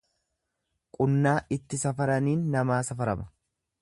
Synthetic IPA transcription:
kʼʊnːaːʔɪt̪ːɪsɐfɐɾɐniːnːɐmaːsɐfɐɾɐmɐ̥

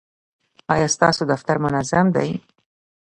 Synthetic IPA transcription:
ɑjɑst̪ɑ̰sod̪aft̪aɾmʊnazamd̪a̰j

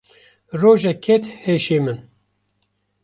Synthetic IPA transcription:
roːʒɛkʰɛt̪heːʃeːmɨn

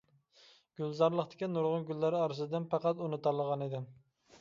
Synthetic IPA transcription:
ɡ̥ʲylˠzɑɾlˠəχt̪ʰɪ̥kʲinuɾʁʊnɡʲylːæɾɑɾɨzɨd̪ɪnpɑqɑt̪unɨt̪ɑlˠəʁɑnid̪ɪm

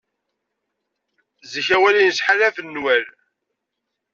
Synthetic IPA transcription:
zəçæwælinəsħalæfənːwæl

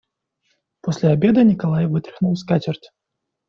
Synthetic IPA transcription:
pɔsʲlʲɛabʲɛd̪ɐnʲikalˠajvɨt̪ɾɨxnuwskatʲɛrtʲ

